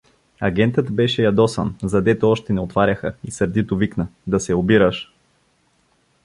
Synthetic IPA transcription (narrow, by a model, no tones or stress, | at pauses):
ɐɡɛnt̪ət̪bɛʃɛjɐd̪ɔsə̰nzɐd̪ɛt̪oɔʃt̪ɛnɛot̪vaɾʲɐxəisəɾd̪it̪oviknəd̪ɐsɛobiɾəʃ